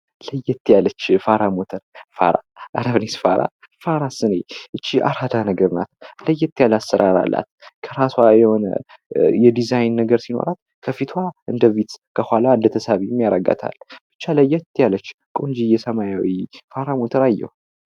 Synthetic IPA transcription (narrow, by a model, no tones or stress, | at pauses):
ləjːɛt̪ʰːjalət͡ʃːfaɾamot̪ʰəɾfa̰ɾa̰ʔaɾaβnesfaɾa̰ | faɾasɨneʔɨt͡ʃːia̰ɾhad̪anəɡəɾna̰t̪ləjːɛt̪ʰːjalasːəɾʔaɾa̰lːa̰t̪kʰəɾaswajɛho̞nə̰ | jɛd̪izajnːəɡəɾsino̞̰ɾat̪ | kʰəfit̪ʰwaʔɨnd̪əvit̪kʰəhʷaland̪ət̪ʰəsaβimjaɾəɡa̰t̪ʰa̰lb̥ɨt͡ʃːaləjːɛt̪ʰːjalət͡ʃː | kʼond͡ʒijɛsəmajawifaɾamot̪ʰəɾajːɛ̰h